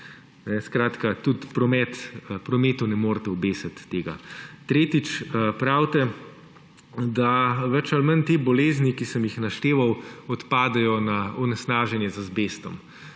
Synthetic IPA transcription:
nɛskɾaːt̪kat̪ut̪pɾɔmɛt̪pɾɔmeːt̪unɛmoːɾt̪ɛubeːsat̪ːeːɡa̰t̪ɾeːt̪it͡ʃpɾawt̪ɛ | d̪aʋɛt͡ʃalmənt̪eːbɔleːznikisəmjixnaʃt̪eːʋawɔt̪paːd̪ɛjɔnaɔnɛsnaːʒɛnjɛzazbeːst̪ɔm

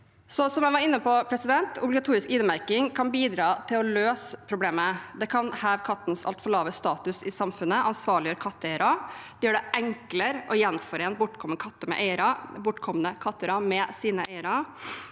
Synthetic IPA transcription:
sɔsɔmæɪʋɑɾɪnːəpɔpʰɾɛsɪd̪ɛnt̪ʰʊ̰blɪɡɑt̪ʰuːɾɪskɪnəmæɾkɪŋkʰɑnbiːd̪ɾɑːt̪ʰɪlɔløːspʰɾʊbleːməd̪ɛkʰɑnhæːʋkʰɑt̪ːnsɑ̰lt̪fɔɭɑːʋəst̪ɑːt̪ʉsɪsɑmfʉnːəʔɑnsʋɑːɭɪjəøːɾkʰɑt̪ːəɛɪəɾɑd̪̥ɛjøːɖɛʔɛŋkləɾɔjɛnːfɔɾeːnbʊʈːkʰɔmənəkʰɑt̪ːəmɛ̰ʔeɪəɾɑbʊʈːkʰɔmnəkʰɑt̪ːəɾɑmɛsiːnəʔeɪəɾɑ

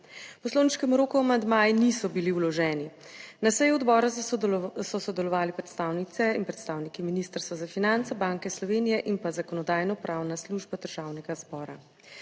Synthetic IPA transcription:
pɔsloːwniʃkɛmuɾoːkuamand̪maːjnisɔbiliuwlɔʒɛːni | nasɛjuɔd̪bɔːɾa | sɔsɔd̪ɛlɔʋaːlipɾɛt̪st̪aːwnit̪sɛinpɾɛt̪st̪aːwnikiminist̪əɾst̪ʋazafinant̪sabaŋkɛslɔʋeːnijɛʔinpazakɔnɔd̪aːjnɔpɾawnasluʒbad̪əɾʒ̥awnɛɡazbɔːɾa̰

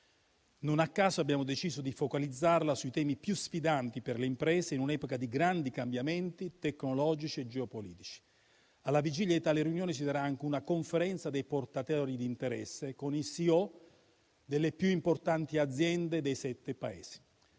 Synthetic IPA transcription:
nonakːaːzoabːjaːmod̪et͡ʃiːzod̪ifokalid̪zːarlasuit̪ɛːmipjusfid̪ant̪iperleimpɾɛːseinunɛːpokad̪iɡɾand̪ikambjamɛnt̪it̪ekːnolɔːd͡ʒit͡ʃied͡ʒeopolḭːt̪i̥t͡ʃi̥ | alːavid͡ʒilʎjad̪it̪aːleɾjunjoːnesid̪aɾaaŋk̟eunakoɱfeɾɛnt̪sad̪ejport̪at̪ɛɾid̪int̪eɾɛsːekonisiɔ | d̪elːepjuimport̪ant̪iad̪zjɛnd̪ed̪ejsɛt̪ːepaḛːsi̥

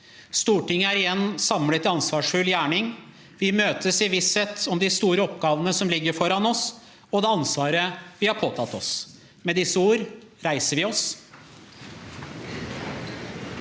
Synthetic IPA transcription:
st̪uːʈɪŋːəæɾɪjɛnːsɑmlət̪ɪɑnsʋɑːʂfʉljæːɳɪŋ | ʋɪmøːt̪ʰəsɪʋɪsɛt̪ʰːɔmd̪ɪst̪uːɾəɔpɡɑːʋənəsɔmlɪɡːəɾfɔɾɑnɔs | ɔd̪ɛːɑnsʋɑːɾəʋɪhɑɾpʰoːt̪ʰɑt̪ːɔs | mɛd̪ɪsːəuːɾ | ɾæɪsəɾʋɪɔs

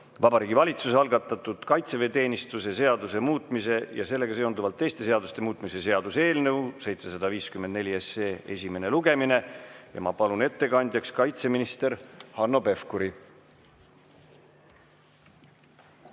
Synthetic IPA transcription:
vɑbɑɾiːɡivɑlʲit̪suseɑlɡɑt̪ːˑɑt̪ːˑud̪̥kɑjt̪se̞ve̞ːt̪e̞ːnʲist̪use̞se̞ɑd̪use̞muːt̪ːˑmise̞jɑse̞lːe̞ɡɑse̞ond̪uvɑlt̪ːe̞jst̪e̞s̬e̞ɑd̪ust̪e̞muːt̪ːˑmise̞se̞ɑd̪̥use̞ːlnewse̞jt̪se̞sɑd̪ɑviːskymend̪ne̞lʲieseːe̞sʲime̞ne̞luɡ̥e̞mine̞jɑ̰mɑpɑlune̞t̪ːe̞kɑnʲd̪̥ʲjɑkskɑjt̪se̞minist̪e̞ɾhɑnːo̞pe̞fkuɾi

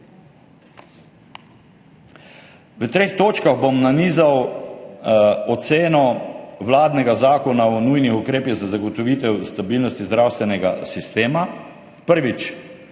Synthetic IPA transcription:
ʋət̪ɾeːxt̪oːt͡ʃkaɣbomnaniːzaw | ɔt̪seːnɔʋlaːd̪nɛɡazaːkɔnaɔnujnixukɾeːpizazaɡɔt̪ɔʋit̪ɛwst̪abiːlnɔst̪izd̪ɾaːwst̪ʋɛnɛɡa̰sist̪eːma | pəɾʋit͡ʃ

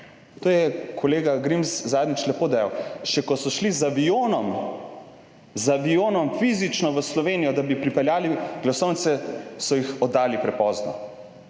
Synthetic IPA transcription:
t̪oːjɛkʰɔleːɡaɡɾimszaːd̪nit͡ʃlɛpoːd̪ajawʃɛkɔsɔʃlizaʋijoːnɔm | zaʋijoːnɔmfizit͡ʃnɔʋəslɔʋeːnijɔd̪abipɾipɛljaːliɡ̥lasɔwnt̪sɛsɔjixɔd̪ːaːlipɾɛpɔːznɔ̰

